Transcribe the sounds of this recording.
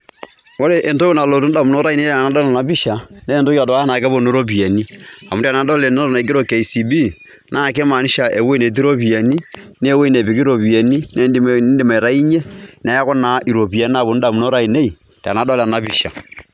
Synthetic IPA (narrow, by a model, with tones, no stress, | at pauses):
o˦ɾe˦˨ʔe˨nto˦ju˦na˨lo˨tu˦n˦da˨mu˨no˦ɾa˦i˨ne˦˨na˨˦dɔ˦la˨a˨bi˦ʃa˨ | neː˦˨nto˦ka˨dɔ˨a˦na˨kɛ˦bo˦˨no˦ɾo˦p̬i˨e˨ni˦ | a̰˨mu˦ta˨na˨˦dɔ˦le˨n˦o˦ɾna˨i˨ɡ̬ɾo˦ke˨i˨si˨bi˦ | nʔaː˦˨ke˦ma˨ni˦ʃa˨e˨we˦ne˨t̬i˦ɾo˦pi˨e˨ni˦ | n˦e˦we˦ne˨bi˨ki˦ɾo˨pi˨e˨ni˦ne˦dndɪ˨ma˨i˨ɾa˦i˦ɲe˦ | n˨a˨˦ja˦kɔ˦na˨˦ʔi˨ɾo˨pi˨ɛ˨na˦˨bo˨n˦da˨mu˨no˦ɾa˦i˨ne˦i˨ | ta̰˨na˨˦dɔ˦lna˨bi˨ʃa̰˨